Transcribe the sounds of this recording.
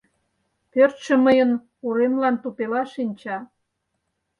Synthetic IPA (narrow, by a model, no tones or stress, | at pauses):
pørt̪ʃə̆məjən | uɾemlɑnt̪upelɑʃinʲt͡ɕɑ